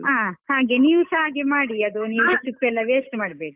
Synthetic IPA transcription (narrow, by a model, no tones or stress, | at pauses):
aːhaːɡeniːʋsɦaːɡemaːɽiɐd̪uniːɐt͡ʃukːɛlːɐʋeːsʈmaːɽbeːɽi